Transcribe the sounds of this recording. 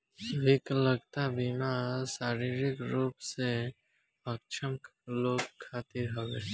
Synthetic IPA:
sʋɪkləɡt̪abɪmasaːɾiɾɪkɾuːpse | ək̚t͡ʃʰəmkloːɡkʰːaːt̪ɪɾɦoɡɛ̰ː

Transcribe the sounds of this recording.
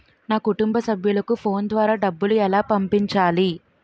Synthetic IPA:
naːkuʈumbɐsɐbʱjulɐkupʰo̞ːnd̪ʋaːɾaːɖɐbːuluɛlaːpɐmpiɲt͡ʃaːli

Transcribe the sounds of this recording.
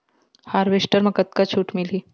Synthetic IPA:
haɾʋeʂʈəɾməkət̪̚kat͡ɕʰuːʈmiliː

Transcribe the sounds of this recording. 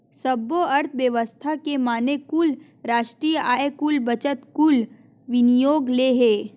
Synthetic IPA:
sɐboɐɾt̪ʰʋjəʋəst̪ʰakemaːnekul | ɾaːʃʈɾiːjəʔaːekulbɐt͡ʃət̪kul | ʋɪnijoːɡleɦeː

